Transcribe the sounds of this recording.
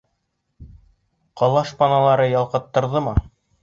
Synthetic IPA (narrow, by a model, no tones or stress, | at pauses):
qɑlˠɑʃpɑnɑlˠɑɾɤjɑlˠqɤ̆t̪ːɤ̆ɾðɤmɤ